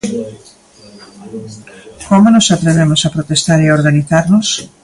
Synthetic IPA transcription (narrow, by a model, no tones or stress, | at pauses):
komonosat̪ɾeβemosapɾot̪est̪aɾeaoɾɣaniθaɾnʊs